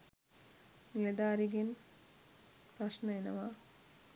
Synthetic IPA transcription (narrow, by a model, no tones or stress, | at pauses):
nilɐd̪aːɾiɡin | pɾɐʂnɐenɐʋa